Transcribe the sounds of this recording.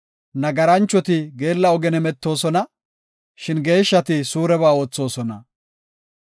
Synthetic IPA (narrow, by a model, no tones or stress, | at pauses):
nɐɡɐɾɐnt͡ʃːɔt̪ɪɡe̞ːlːɐɔɡɛnɛmɛt̪ːo̞ːsɔnɐ | ʃɪnɡe̞ːʃːɐt̪ɪsuːɾɛβaːo̞ːt͡sːo̞ːsɔnɐ̰